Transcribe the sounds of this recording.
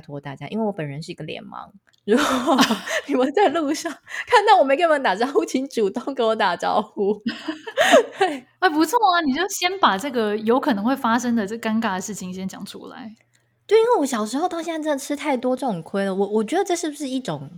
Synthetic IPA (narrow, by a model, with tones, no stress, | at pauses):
t̪ʰwɔ˥˧t̪a̰˥˩t͡ɕja̰˦˥ʔi˥nwe˥˩wɔ˧˦pə˨˩nɻə˧˦nʂ̬ɻ̩˥˩˧i˧˥ɡə˨˩ljɛ̰˧˥nmɑ̰˧˦ŋ | ɻu˧˥xɔ˨˩i˨˩wə˨˧˩t͡sa˥˧ɪlu˥˧ʂɑ˥˩ŋkʰa˥˧nt̪ɑ˥˩ʊwɔ˨˩me˧˥ɪke˥˩˧t̪a˨˩ʈ͡ʂɑ˥xu˥˩t͡ɕʰi˧˥˦ŋʈ͡ʂu˨˩t̪o˥˩ŋke˧˥ɪwɔ˧˦t̪a˨˩ʈ͡ʂɑ˧˥ʊxu˥ | t̪we˥˩ɪ | ɛ˥˩ɪpu˧˥t͡sʰɔ˥˩a˩ni˨˩t͡ɕjo˥˩ʊɕjɛ˥npa˨˩ʈ͡ʂɤ˥˩ɡə˩jo˧˥ʊkʰɤ˨˩nɤ˧˥ŋxwe˥˩ɪfa˥ʂə˥ŋd̪ə˨ʈ͡ʂə˥˩ɡə˩ka˥nka˥˩d̪ə˩ʂɻ̩˥˩t͡ɕʰi˨˩ŋɕjɛ˥nt͡ɕjɑ̰˨˩ŋʈ͡ʂʰṵ˥la̰˧˦ɪ | t̪we˥˩ɪi˥nwe˥˩ɪwɔ˧˥ɕjɑ˨˩ʊʂ̬ɻ̩˧˥xo˥˧ʊt̪ɑ˥ʊɕɛ˥˧ʈ͡ʂə˥˩nə˩ʈ͡ʂʰɻ̩˥t̪ʰa˥˩ɪt̪wɔ˥ʈ͡ʂɤ˥˩ʈ͡ʂʊ˨˩kʰwe˥ɪlə˨wɔ˨˩wɔ˨˩t͡ɕɥɛ˧˥d̪ə˧ʈ͡ʂɤ˥˧ʂɻ̩˥˩bu˩ʂɻ̩˥˩i˥˩ʈ͡ʂʊ˨˩˦ŋ